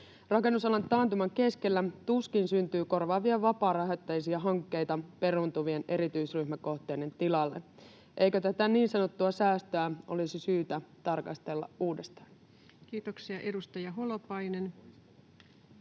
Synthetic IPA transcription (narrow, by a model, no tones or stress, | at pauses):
rɑke̞nːusɑlɑnt̪ːɑːnt̪umɑŋke̞ske̞lːæt̪uskinsynt̪yːko̞rʋɑːʋiɑʋɑpɑːɾɑɦæt̪ːæjsiɑɦɑŋkːe̞jt̪ɑpe̞ɾunt̪uʋie̞nʔe̞ɾit̪yisryhmæko̞ht̪eːne̞nt̪ilɑlːe̞̰ | ʔe̞jkøt̪æt̪æniːnsɑno̞t̪ːuɑsæːst̪øæʔo̞lisisyːt̪æt̪ɑrkɑst̪e̞lːɑ̰ʔuːdest̪ɑ̥ːn | kiːt̪oksiɑʔedust̪ɑjɑɦolopɑjnen